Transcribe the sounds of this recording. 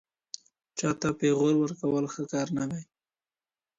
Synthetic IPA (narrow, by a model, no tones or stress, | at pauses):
t͡ʃɑt̪apeɣolwəɾkawəlxəkɑɾnawej